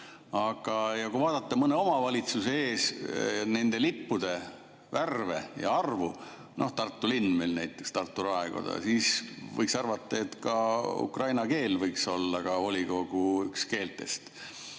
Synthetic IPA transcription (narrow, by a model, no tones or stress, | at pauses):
ɑɡ̥ɑjɑkuvɑːd̪̥ɑt̪ːɑmɤneo̞mɑvɑlʲit̪suseeːsne̞nd̪̥e̞lipːud̪̥e̞ | værve̞jɑ̰ɑrvu | no̞̰ht̪ɑrt̪ːˑulinːmelnæjt̪ːˑe̞kst̪ɑrt̪ːuɾɑeɡ̥o̰d̪ɑ̰siːsvɤ̰jksɑrvɑt̪ːˑɑe̞t̪kɑṵkrɑjnɑke̞ːlvɤjkso̞lːɑkɑo̞lʲiɡ̥o̞ɡ̥uykske̞ːlt̪ːe̞̰st̪